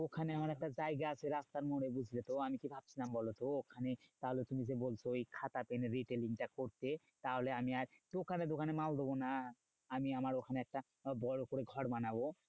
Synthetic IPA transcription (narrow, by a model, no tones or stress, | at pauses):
okʰaneamaɾɛk̚ʈazajɡaasʰeɾast̪aɾmoɾebud͡ʑʱilet̪oamikibʱab̚sʰilambɔlet̪ookʰanet̪aɦolet̪umizebolt͡ɕʰojkʰat̪apeneɾiʈeliŋʈakoɾt̪e | t̪aɦoleamiaɾt̪okʰanet̪̬okʰanemald̪obona | amiamaɾokʰaneɛk̚ʈa | bɔɽokoɾeɡʱɔɽbanabo